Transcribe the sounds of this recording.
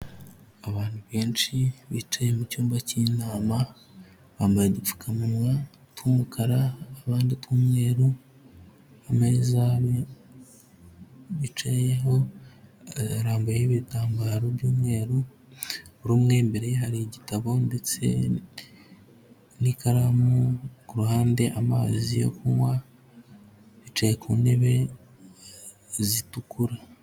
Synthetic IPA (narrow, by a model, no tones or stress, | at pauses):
aβaːn̥huβeːnt͡ʃiβit͡ʃajemucuːmbacinaːma | βaːmbajedufu̥kʰamunwa | tkuːmukʰaɾaːβaːnditkuːmŋe̞ːɾu | ameːzaβ | βit͡ʃejeɦo̞ | ɾaːmbajeiβitaːmbaɾoβjuːmŋe̞ːɾu | uɾuːmŋe̞ːmbe̞ɾehaɾiɟitaβo̞nde̞t͡se̞̰ | nikaɾamukuɾuhaːnde̞ʔamaːzijo̞̰kuŋwa | βit͡ʃejekuːne̞βe̞ | zitukuɾa